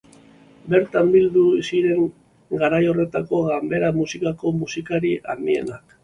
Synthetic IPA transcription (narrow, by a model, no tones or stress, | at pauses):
be̞ɾt̪ambild̪usiɾe̞ŋ | ɡaɾajo̞re̞t̪ako̞ɣambe̞ɾamusikako̞musikaɾiʔaɾnie̞̰nak